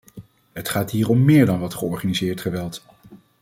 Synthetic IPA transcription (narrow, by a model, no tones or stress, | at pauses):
ɦətχaːtɦiːrɔmːɪːɹdɑnʋɑtχəɔɹχanizɪːɹtχəʋɛlˠt